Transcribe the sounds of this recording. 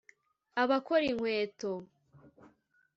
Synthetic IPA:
aβakoɾiŋ̥hweːto

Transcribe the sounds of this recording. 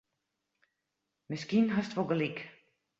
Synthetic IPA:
mɪskinɦɔstʋoɡəlik

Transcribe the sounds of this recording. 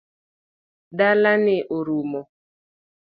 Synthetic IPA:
dalanɪʔoɾumɔ

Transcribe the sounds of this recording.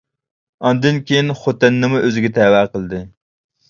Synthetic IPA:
ɑnd̪ɪnkʲʰejinχot̪ɪnːɨmuʔøzɪɡʲɛt̪ʰɛwæqəlˠd̪ɨ

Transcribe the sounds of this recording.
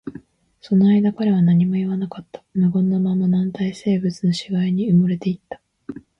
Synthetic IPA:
so̞no̞aid̪akaɾeβ̞anaɲ̟imo̞iβanakat̪ːḁmɯ̟ɡõ̞nːamamanãnt̪aise̞ːbɯ̟t͡sɨno̞ɕiɡaiɲ̟iɯmɯɾe̞t̪e̞it̪ːḁ

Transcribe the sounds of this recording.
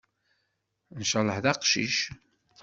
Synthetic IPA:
nʃɑlˤəħðɑqʃḭʃ

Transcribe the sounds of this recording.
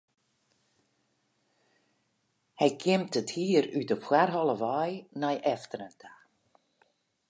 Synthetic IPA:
hɛjkʰɪmtəthiːəɾytɔpxwarɦɔləʋɔjnajʔɛftəɾəntʰa

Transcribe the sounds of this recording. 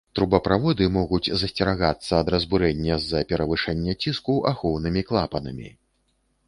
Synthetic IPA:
t̪ɾubɐpɾavɔd̪ɨmɔɣud͡zʲzɐsʲt͡sʲɛɾaɣat̪sːɐːd̪ɾɐzbuɾɛnʲːɐzɐpʲɛɾɐvɨʂɛnʲːɐt͡sʲiskuʔaxɔwnɨmʲiklˠapɐnɐ̰mʲḭ

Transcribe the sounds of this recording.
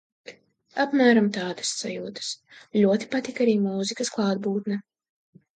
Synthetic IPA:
apmæːɾamt̪aːd̪ɐsːajuːd̪ɐ̥s | ʎʲuɔt̪i̥pat̪ikaɾiːmuːzikɐsklˠɑːd̪̚buːt̪nɛ

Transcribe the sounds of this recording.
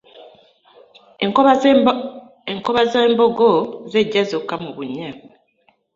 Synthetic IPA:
eŋkoβazeːmboɡozeɟːazokːamuβuɲːa

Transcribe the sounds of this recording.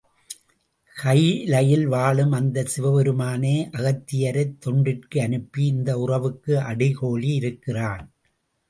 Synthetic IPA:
kɐɪlɐjɪlʋaːɭɯmɐnd̪ɐsɪʋɐʋɛɾɯmaːneːʔɐɣɐt̪ːɪjɐɾɐɪt̪ːɔɳɖɪrkɯɐnɯpːiɪnd̪ɐʊrɐʋɯkːɯʔɐɽɪkoːɭiɪɾɯkːɪraːn

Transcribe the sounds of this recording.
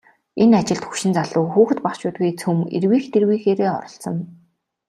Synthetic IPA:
enat͡ɕɪ̆ɮt̪xu̥ʃɪ̆nt͡saɮʊːxuːxt̪paχt͡ɕʊːt̪̚ɡujt͡sʰɵmḛrwiːxt̪erwiːxeːɾeːɔ̰ɾɞ̆ɬt͡sɞ̆n

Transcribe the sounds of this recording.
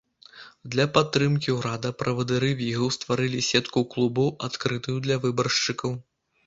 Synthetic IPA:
d̪lʲɐpat̪ːɾɨmkʲiwɾad̪ɐpɾɐvɐd̪ɨɾɨvʲiɣɐwst̪vaɾɨlʲisʲɛt̪kuklˠubɐwat̪kɾɨt̪ɨjud̪lʲɐvɨbɐrʂt͡ʂɨkɐw

